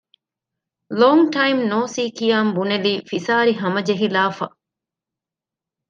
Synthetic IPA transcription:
loːŋʈɐjmnoːsiːkijaːmbuneliːfisaːɾiɦɐmɐd͡ʒeɦilaːfɐ̰

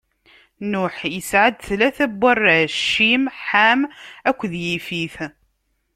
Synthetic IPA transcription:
nʊħjəsʕad̪θlæθæbːərˤʃːimħamækʷːðjifiθ

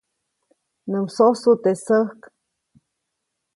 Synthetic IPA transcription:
nɨmsosut̪esəhk

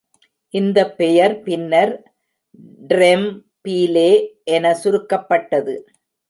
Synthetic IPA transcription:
ʔɪnd̪ɐpːɛjɐɾpɪnːɐɾ | ɖɾɛm | piːleːʔɛnɐsʊɾɯkːɐpːɐʈːɐðɯ

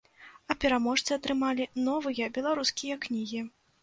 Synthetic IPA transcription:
ɐpʲɛɾamɔʂt̪sɨɐt̪ɾɨmalʲinɔvɨjɐbʲɛlˠaɾuskʲijɐknʲiɣʲi

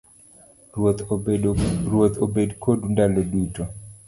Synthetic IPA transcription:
rwot̪obedkʰodundaloduto

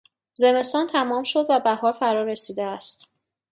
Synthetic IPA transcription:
ze̞me̞st̪ɒːnt̪ʰæmɒːmʃo̞d̪væbæhɒːɾfæɾɒɾe̞siːd̪eæst̪

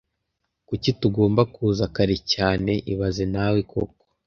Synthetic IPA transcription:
kucituɡo̞ːmbakuːzakaɾicaːne̞ʔiβazenawikʰo̰k̚o̥

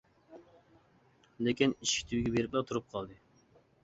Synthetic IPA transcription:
lekʲiniʃkʰʲi̥t̪ʰiwiɡʲɛbeɾɪplɛt̪ʰuɾup̚qʰɑlˠd̪ɨ

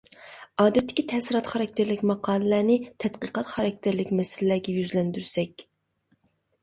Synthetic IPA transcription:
ɑːd̪ɛt̪ːɪ̥kʲit̪ʰɛsɪɾɑt̪χɑɾɑk̚ʲt̪ʰɪɾlɪkʲmɑqʰɑːlˠɨlæːnɪt̪ʰɛt̪qəqɑt̪χɑɾɑk̚ʲt̪ʰɪɾlɪkʲmɛsɪlɪlæɾɡʲɛjyzlɛnd̪yɾsɛkʲ

